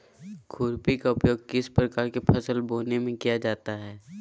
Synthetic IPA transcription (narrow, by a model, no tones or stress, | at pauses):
kʰʊːɾpikaʊpjoːɡ̚kɪspɾəkaːɾkepʰəsəlboːnemẽkijad͡ʒaːt̪aɦɛː